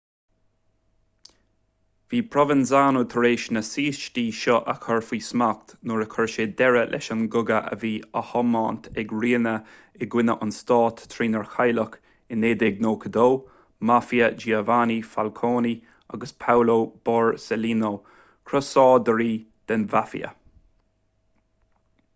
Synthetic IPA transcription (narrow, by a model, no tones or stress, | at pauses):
v̥iːpʰɹɔvɪnzaːnot̪ʰəɾeːʃnəsiːst͡ʃtiːʃɔʔəkʰɔɹfiːsmak̚t̪noːɹəkʰɔɹʃeːd̪ɛɹəlʔɛ̰ʃənɡʊɡəʔə̰viːəhɔmaːnt̪ʰɛɡɹiːnə | ɛɡwɪnəʔʊnst̪ɑːt̪ʰːɾiːnəɹxajlək | ɪneːd̪ɛɡ̚noːkʰəd̪oː | mafiəd͡ʒiːəvanifalkʰoːni | a̰ɡəspʰawloːb̥ɑːɹsɛliːnoː | kʰɾɔsɔːd̪əɾiːd̪̥ɛnvafḭə̰